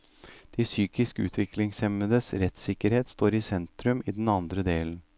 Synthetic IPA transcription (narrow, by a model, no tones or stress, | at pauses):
d̪̥ɪsyːkɪskəʉ̰ːt̪ʰʋɪkʰlɪŋsɛməd̪əsɾɛt̪sɪkəɾheːt̪st̪oːɾɪsɛnt̪ɾʉmiːd̪n̩ɑnd̪ɾəd̪eːln̩